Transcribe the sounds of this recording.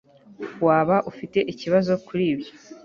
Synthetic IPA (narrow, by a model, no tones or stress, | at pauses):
waːβaʔufite̞ʔiciβazo̞kuɾiːbɟo